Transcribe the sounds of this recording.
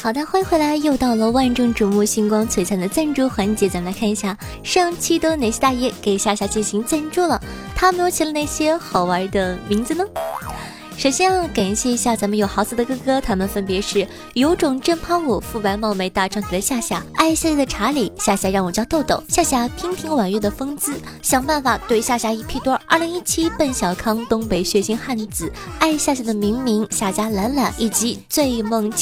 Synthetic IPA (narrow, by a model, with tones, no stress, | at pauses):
xɑ˨˩ʊt̪a˥˧xwe˥˧ɪxwe˥ɪla˧˥ɪjo˥˧ʊt̪ɑ˥˩ʊlə˩wa˥˧nʈ͡ʂʊ˥˩ŋʈ͡ʂu˨˩mu˥˧˩ɕi˥ŋkwɑ˥ŋt͡sʰwe˧˥ɪt͡sʰa˥nd̪ə˨˩t͡sa˥˧nʈ͡ʂu˥xwa˧˥nt͡ɕjɛ˧˥t͡sa˧˥mə˧la˧ɪkʰa˥˩ni˧˥ɕja˥˧ | ʂɑ˥˧ŋt͡ɕʰi˥t̪wɔ˥ne˨˩ɪɕjɛ˥t̪a˥˧jɛ˥˩ke˨˩ɪɕja˥˩ɕja˧˥t͡ɕi˥˩nɕi˧˥ŋt͡sa˥˧nʈ͡ʂu˥˩lə˩ | t̪ʰa˥m˧˥jo˧˥t͡ɕʰi˥lə˧na˥˩ɪɕjɛ˥xɑ˨˩ʊwə˞˧˥d̪ə˧mi˧˥ŋd͡zɹ̩˧nə˩ | ʂo˨˩ʊɕɛ˥ɑ˥˩ka˨˩nɕjɛ˥˩i˧˥ɕja˥˩t͡sa˧˥mə˧njo˨˩ʊxɑ˧˥ʊt͡s̩˨˩d̪ə˩kɤ˥kɤ˥t̪ʰa˥mə˨nfə˥npjɛ˧˥ʂɻ̩˥˩ | jo˧˥ʊʈ͡ʂʊ˨˩ŋʈ͡ʂə˥˧npʰɑ˥ŋwɔ˨˩fu˥˩pa˧˥ɪmɑ˥˧ʊme˧˥ɪt̪a˥˧ʈ͡ʂʰɑ˥˩ŋt̪ʰd̪ə˧˦ɕja˥˧ɕja˥˩a˥˧ɪɕa˥˧t͡ɕjɛ˥˩d̪ə˩ʈ͡ʂʰa˧˥li˨˩˦ɕja˥˧ɕja˥ɻɑ˥˩ŋwɔ˨˩t͡ɕjɑ˥˧t̪o˥˩ʊt̪o̰˨˩ʊɕja˥˩ɕ̬ja˥˩pʰi˥ŋt̪ʰi˧˥ŋwa˨˩nɥɛ˥˩d̪ə˩fɤ˥ŋt͡sɹ̩˥ | ɕjɑ˨˩ŋpa˥˩nfa˨˩t̪we˥˧ɪɕja˥˩ɕja˧˥i˧˥pʰi˥˩t̪wɔ˥ə˞˥˩li˧˥ŋi˥t͡ɕʰi˥pə˥˩nɕjɑ˨˩ʊkʰɑ˥ŋt̪ʊ˥ŋpe˧˥ɪɕɥɛ˧˥ɕi˧˥nxa˥˩nt͡sɹ̩˨˩˦a˥˧ɪɕja˥˧ɕja˥˩d̪ə˩mi˧˥ŋmi˧˥ŋɕja˥˩ɕja˥la˧˥nla˨˩nʔi˨˩t͡ɕi˧˥t͡swe˥˧ɪmɤ˥˧ŋt͡ɕʰi˥˩